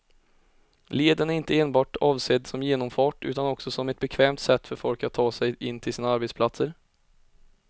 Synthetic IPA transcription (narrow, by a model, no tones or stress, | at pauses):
leːd̪ənæɾɪnt̪əeːnbɑːʈɑːvseːd̪sɔmjeːnɔmfɑːʈʉ̟ːt̪anɔksɔsɔmɛt̪̚bɛkʰvɛːmt̪sɛt̪ːfœɾfɔlkat̪ʰːɑːsɛjʔɪnːt̪ʰɪlsiːnaaɾbɛt̪spʰlat̪səɾ